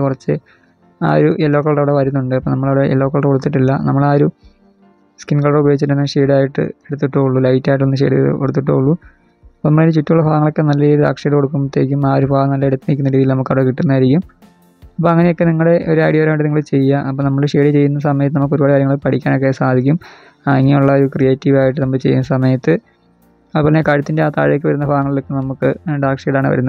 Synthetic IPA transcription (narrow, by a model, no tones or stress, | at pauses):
kurɐt͡ɕːɨ | a̰ːɾuʔelːaːkːɐɭɽɐʋiɽeʋɐɾunːuɳɖɨɐpːoːnɐmːɐɭɐʋɽeḛlːaːkːɐɭɽeoɽut̪ːiʈːilːɐ̰nɐmːɐɭaːɾu | skinɡkɐɭoɽebɐjoɡit͡ɕːɨʈ̪ːɐnːʂeːɽaːjiʈːɨ̰eɽut̪̬ːuʈːoːuɭːulɐjtːaːjʈ̬ːonːɨɕeːɽɨ̰oɽut̪ːiʈ̬ːouɭːu | ɐponɐmːɐɭenɾut͡ɕutːiuɭːɐfaːɐŋːɐɭo̞kːenɐlːɐiɾud̪a̰ːkʂɐjɽkoɽuk̬ːumt̪ːeːk̬ʲːumaːoɾufaːɣɐnɐlːɐiɽut̪ːinikʲːunːɐɾiːðilnɐmukːɐʋɽekiʈːunːaːjɾikʲːum | ɐp̬ːoːɐŋːɐnejokːeniŋːɐɽe̞ʔoɾuaːjɽijɐɾɐmajʈːɨniŋːɐɭɨt͡ɕe̞jːaʔɐpːoːnɐmːɐɭʂeːɖit͡ɕe̞jːunːɐsɐmɐjɐt̪ːɨnɐmukːoɾubaːɽikaːɾjɐŋːɐɭɨpɐʈʰikʲːaːnok̬ːesaːd̪ʱikʲːum | aiŋːiuɭːɐoɾukrije̞ːtːiʋaːjiʈ̬ːɨnɐmːɐɭt͡ɕejːṵnːɐsɐmɐjɐt̪ːɨ | ɐpːɐnːekɐɻut̪ːindeaːt̪a̰ːɻjkʲːɨʋɐɾunːɐfaːŋːɐɭilo̞kːenɐmukːɨɖaːkʂejɽaːɳɨʋɐ̰ɾunːɐð